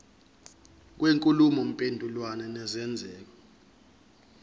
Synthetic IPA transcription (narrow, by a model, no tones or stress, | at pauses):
k̬weŋkʼulumɔm̩pʼendʱulwanɛnɛzɛnd͡zʱɛːlɔ